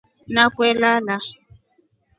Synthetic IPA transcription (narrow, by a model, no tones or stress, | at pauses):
nakwɛlala